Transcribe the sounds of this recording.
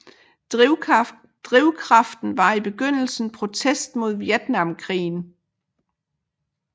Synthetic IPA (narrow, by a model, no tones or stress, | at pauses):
d̥ʁiʊkʰʁɑ̈fd̥n̩ʋɑ̈ib̥e̝ɡ̥øn̰l̩sn̩pʰʁo̝t͡sʰesd̥mo̝ð̞ˠʋjed̥nɑ̈mkʰʁḭːn̩